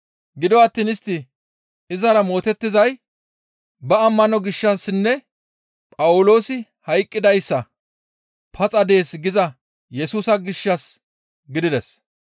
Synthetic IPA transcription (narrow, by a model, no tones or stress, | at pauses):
ɡɪd̪ɔɐt̪ːiːnɪst̪ːɪ | ɪzɐɾɐmo̞ːt̪ɛt̪ːɪzɐj | bɐɐmːɐnɔɡɪʃːɐsnːɛ | pʼɐwʊlo̞ːsɪ | hɐjkʼːɪd̪ɐjsːɐ | pʰɐt͡sʼɐd̪e̞ːsɡɪzɐ | jɛsuːsɐɡɪʃːɐs | ɡɪd̪ɪd̪ɛs